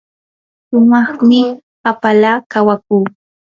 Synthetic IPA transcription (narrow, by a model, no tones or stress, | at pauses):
ʃʊmɑχmɪ | apalaːkawakuː